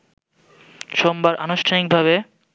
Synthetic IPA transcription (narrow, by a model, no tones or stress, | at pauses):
ʃombaɾʔa̰noʃʈʰanik̚bʱaβe